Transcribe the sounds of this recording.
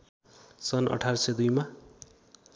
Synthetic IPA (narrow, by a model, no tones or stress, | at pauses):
sʌnʔʌ̰ʈʰarsʌjd̪ujma